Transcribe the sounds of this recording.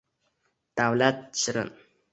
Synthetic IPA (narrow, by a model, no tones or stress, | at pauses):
t̪awlat̪̚t͡ɕəɾə̰n